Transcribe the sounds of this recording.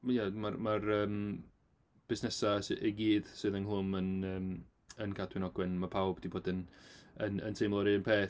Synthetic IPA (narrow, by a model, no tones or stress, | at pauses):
jamarmarəːm | b̥ɪsnɛsasɨʔiɡiːðsɨðənɦˠʊmənəːm | ənkʰadwɪnɔɡwɛnmapʰawbd̥iboːdənənə̰ntʰejmlˠɔɾɪənpʰeː